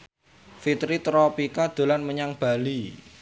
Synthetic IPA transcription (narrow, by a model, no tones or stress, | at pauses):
fit̪ɾit̪ɾɔpikad̪̥o̤lanməɲaŋb̥a̤li